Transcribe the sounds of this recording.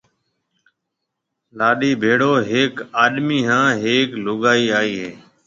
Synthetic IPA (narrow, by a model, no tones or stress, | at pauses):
laːɗiːbʱeːɽoːɦeːkaːɗmiːɦãːɦeːklʊɠaːiːaːiːɦeː